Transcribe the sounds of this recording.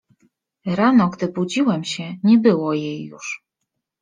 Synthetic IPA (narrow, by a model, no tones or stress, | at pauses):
ɾanɔɡd̪ɘbud͡ʑiwɛmɕɛɲɛbɘwɔjejːṵʂ